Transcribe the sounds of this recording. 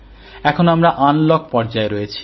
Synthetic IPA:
ɛkʰonoamɾaʔanlɔk̚pɔɾd͡ʑaeɾojet͡ɕʰi̥

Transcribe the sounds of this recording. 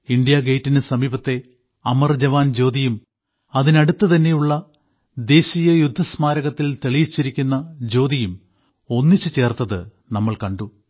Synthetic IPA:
iɳɖijaɡejtːinɨsɐmiːbɐt̪ːe̞ | ɐmɐrd͡ʑɐʋaːnd͡ʑo̞ːd̪ijum | ɐðinɐɽut̪ːɨt̪ɐnːe̞juɭːɐ | d̪e̞ːɕijɐjud̪ʱːɐsmaːɾɐɣɐt̪ːilt̪eɭijit͡ɕːiɾikʲːunːɐd͡ʑo̞ːd̪ijum | o̞nːit͡ɕːɨt͡ɕe̞ːrt̪ːɐðɨ | nɐmːɐɭkɐɳɖu

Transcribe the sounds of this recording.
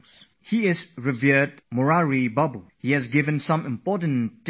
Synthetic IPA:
s | hiɪsɹɪvidmɔɹaɹibabuhiɛzɡɪvə̃nsãmɪ̃mpɔtə̃nt

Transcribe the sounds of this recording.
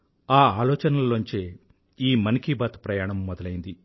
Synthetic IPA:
aːaːlɔːt͡ʃɐnɐlːoɲt͡ʃeː | iːmɐnikiːbaːt̪pɾɐjaːɳɐmːɔd̪ɐlɐjind̪i

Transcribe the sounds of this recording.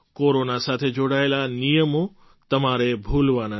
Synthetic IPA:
koːɾonasaːt̪ʰed͡ʒoːɽaːelanijəmo | t̪ɐmaɾebʱuːlʋana

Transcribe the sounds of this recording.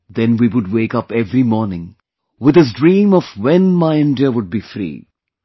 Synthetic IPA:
d̪ɛ̃nwiwʊɖ̚weːkʌpɛvɾimɔːɾnɪ̃ŋ | wɪd̪ɨs̬dɾĩːmɔvwɛ̃nmaɪɪ̃ndəwʊɖ̚bifɾḭː

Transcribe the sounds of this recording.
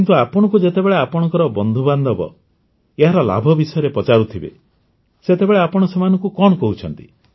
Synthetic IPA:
kint̪uapɔɽ̃ɔ̃ŋkud͡ʒet̪ebeɭeapɔɽ̃ɔŋkɔɾɔbɔnd̪ʱuband̪ʱɔbɔ̰ | eɦaɾɔla̰bʱɔbisɔjɔɾepɔt͡ʃaɾut̪ʰibḛ | set̪ebeɭeapɔɽ̃ɔsɔmanɔŋkukɔɽ̃ɔkɔɦut͡ʃʰɔnt̪i̥̰

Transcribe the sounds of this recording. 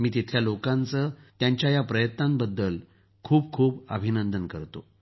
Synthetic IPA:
miːt̪it̪ʰljalokãnt͡sət̪jaɲt͡ɕjajapɾəjət̪nambəd̪ːəl | kʰuːb̚kʰuːpə̰bʱinənd̪ənkəɾt̪o̰

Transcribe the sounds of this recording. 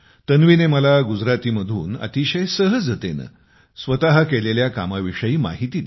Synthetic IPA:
t̪ənʋineməlaɡud͡zɾat̪iːməd̪ʱuːnə̰t̪iɕəjsəɦəd͡zət̪ḛnə̰ | sʋət̪aɦakeleljakamaʋiʂəjiːma̰ɦit̪iː

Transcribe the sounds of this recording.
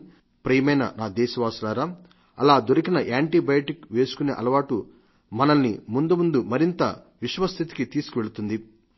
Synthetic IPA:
pɾɐjɐmɐjnɐ̰naːd̪ɛːʃɐʋaːsulaːɾaː | ɐ̰laːd̪oɾikinɐʔaːɳʈibɐjɐʈikʋe̞ːsu̥kuneːʔɐlɐʋaːʈu | mɐnɐlnimund̪umund̪umɐɾint̪ɐ̰ | ʋiʂʋɐst̪ʰit̪i̥kit̪iːskuʋe̞ɭut̪und̪i

